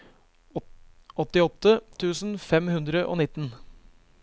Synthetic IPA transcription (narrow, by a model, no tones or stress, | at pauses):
ɔt̪ɪɔt̪ːət̪ʰʉːsn̩fɛmhʉnd̪ɾəʔo̰ːnɪt̪ːən